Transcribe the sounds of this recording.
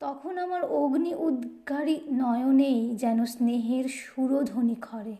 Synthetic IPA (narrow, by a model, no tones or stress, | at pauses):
t̪ɔkʰonamaɾoɡniʔud̪ɡʱaɾinɔjonejd͡ʑɛnosneɦeɾʃuɾod̪ʱonikʰɔɾe